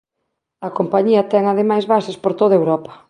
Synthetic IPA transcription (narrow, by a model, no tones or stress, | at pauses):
ɐkompaɲiɐt̪ɛŋɐð̞emajzβasespoɾt̪oðɐewɾɔpɐ̥